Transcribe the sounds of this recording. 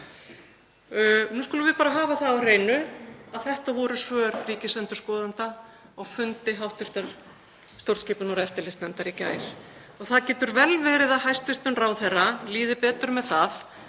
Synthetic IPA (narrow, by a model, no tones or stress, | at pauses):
nuːskɔːlʏɾvɪðpaːɾaɦaːvaθaarejnʏaðθɛht̪avɔɾʏsvœːɾriːcɪsɛnt̪ʏ̥ɾ̥skɔːðant̪a | ɔɣfʏnt̪ɪɦawht̪ʏɾ̥t̪aɾ̥ | st̪owɾt̪scɪːpʏnɔɾɛft̪ɪlɪsnɛmt̪aɾica̰ːjɾ̥ | ɔɣθaðcɛːt̪ʏɾvɛlvɛːɾɪðaðɦajst̪ʏr̥t̪ʏnraːwθɛrːaliːðɪpɛːt̪ʏɾmɛðθað